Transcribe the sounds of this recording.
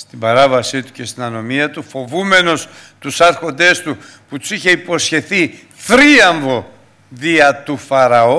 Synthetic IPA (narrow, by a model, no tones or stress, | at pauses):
st̪ibɐɾɐvɐsit̪u̥ce̞st̪inɐno̞miɐt̪ufo̞vume̞no̞s | t̪usɐɾxo̞nd̪e̞st̪u | put̪u̥siçe̞ipo̞sçe̞θi | θɾiɐɱvo̞ | ðiɐt̪ufɐɾɐo̞